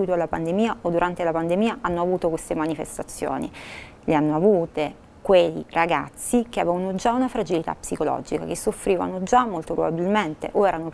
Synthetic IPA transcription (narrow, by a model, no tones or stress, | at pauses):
wit̪oalːapand̪emiːaod̪ːuɾʔant̪elapand̪emiːaʔanːoavuːt̪okwest̪emanifḛst̪at̪sːjo̰ːnḭ | leanːoavuːt̪e | kweḭraɡa̰t̪sːik̟eavɛvanod͡ʒaunafɾad͡ʒilit̪a̰pːsikolɔ̰ːd͡ʒika̰k̟esːofːɾiːva̰nod͡ʒamːolt̪opɾobabilment̪ḛʔoɛːɾano